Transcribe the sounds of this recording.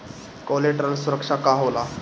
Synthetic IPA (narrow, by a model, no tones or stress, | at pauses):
kɔleʈɾənsuɾəkʂakaɦola